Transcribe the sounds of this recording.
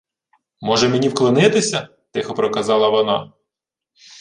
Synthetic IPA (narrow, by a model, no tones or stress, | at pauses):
mɔʒɛmenʲiwklˠɪnɪt̪ɪsʲɐ | t̪ɪxɔpɾɔkɐzɑlˠɐʋɔnɑ̰